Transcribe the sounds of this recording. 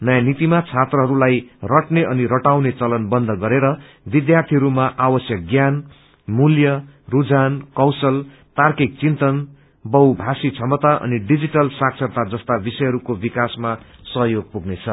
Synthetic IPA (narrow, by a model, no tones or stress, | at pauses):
nʌjanit̪imat͡sʰat̪rʌɦʌɾulajrʌʈneʔʌniɾʌʈawnet͡sʌlʌnbʌnd̪ʱʌɡʌɾeɾʌ | bid̪jart̪ʰiɦʌɾumaʔawʌsjʌk̚ɡjan | muljʌ | rud͡zankʌwsʌl | t̪arkik̚t͡sint̪ʌn | bʌwbʱasit͡sʰʌmʌt̪aʔʌ̰niɖid͡ziʈʌlsaksʰʌt̪ad͡zʌst̪abisʌjɦʌɾukobikasma | sʌɦjoɡ̚puɡnet͡sʰʌ